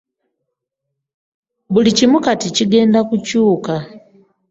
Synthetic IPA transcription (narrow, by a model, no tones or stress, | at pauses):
βulicimukaticiɡe̞ːndakucuːka